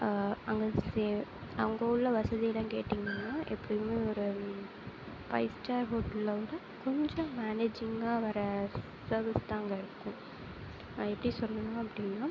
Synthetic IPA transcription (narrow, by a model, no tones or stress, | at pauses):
ɐŋɡɐseɐʋɐŋɡɐʊɭːɐʋɐsɐðijɐlɐ̃keːʈːiŋɡɐnːaːʔɛpːɐɽɪmeːɔɾɯ | pɐ̰ɪsʈaːɾɦoːʈlːɐlɐ | kɔɲd͡ʒɔ̃maːneːd͡ʒɪŋɡaːʋɐɾɐ | sɐːɾʋɪst̪ãːɐŋɡɐɪɾɯkːʊ̃ | ɛpːɐɽisɔlːɐnãːɐpːɐɽɪnːaː